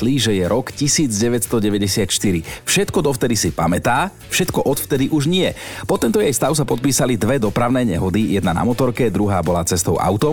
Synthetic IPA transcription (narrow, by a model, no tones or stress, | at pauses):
liʒɛjɛɾɔkcisiːd͡zɟɛʋɛtst̪ɔɟɛʋɛɟɛsɪat̪ʃt̪iɾifʃɛt̪kɔd̪ɔft̪ɛd̪isipamɛt̪aː | fʃɛt̪kɔʔɔt̪ft̪ɛd̪iʔuʒɲɪɛpɔt̪ːɛnt̪ɔjɛjst̪aʊsapɔt̪̚piːsalid̪ʋɛd̪ɔpɾaʊnɛːɲɛɦɔd̪ijɛd̪nana̰mɔt̪ɔɾkɛd̪ɾuɦaːbɔlaːt͡sɛst̪ɔʊʔa̰ʊt̪ɔ